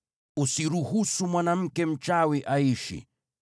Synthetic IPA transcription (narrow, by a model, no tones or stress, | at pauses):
usiɾuhusumwanam̩kɛm̩t͡ʃawiʔaiʃḭ